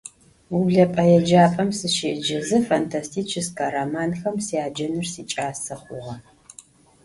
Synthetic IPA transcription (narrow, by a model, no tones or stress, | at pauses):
ubɮɐpʼɐjɛd͡ʒaːpʼɐmsɨʃeːd͡ʒɐzɨfantʰastʰiːt͡ʃʰɪskaːɾamaːnxɐmsiaːd͡ʒɐnɨrsiːt͡ʃʼaːsɐχʷʊʁɐ